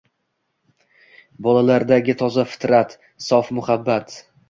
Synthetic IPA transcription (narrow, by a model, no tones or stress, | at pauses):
bɒlalaɾd̪aɡʲɪt̪ʰɒzafɪ̥t̪ɾat̪ | sɒfmʊhabːat̪